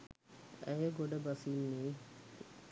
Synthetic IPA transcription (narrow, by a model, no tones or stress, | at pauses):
æjəɡoɖəbɐsinːiː